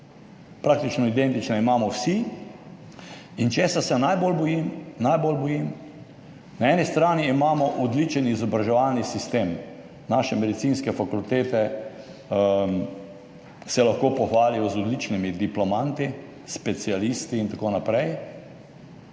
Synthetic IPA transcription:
pɾak̚t̪it͡ʃnɔid̪ɛnt̪it͡ʃnɛimaːmɔwsi | int͡ʃeːsasɛnajbolbɔjimnajbolbɔjim | naɛːnist̪ɾaːniːmaːmɔʔɔd̪lit͡ʃɛnizɔbɾaʒɛʋalnisist̪eːm | naʃɛmɛd̪it̪siːnskɛfakult̪eːt̪ɛ | m | sɛlaxkoːpɔxʋaːlijɔzɔd̪lit͡ʃnimid̪iplɔmant̪i | spɛt̪sialist̪iːnt̪akoːnapɾɛj

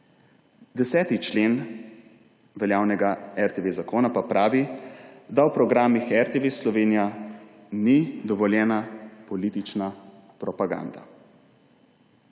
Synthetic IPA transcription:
d̪ɛsɛːt̪it͡ʃleːn | ʋɛljaːwnɛɡaɛɾt̪eʋezakoːnapapɾʔaːʋid̪awpɾɔɡɾaːmixɛɾt̪eʋeslɔʋeːnija | nid̪ɔʋɔljɛːnapɔliːt̪it͡ʃna | pɾɔpaɡa̰nd̪a

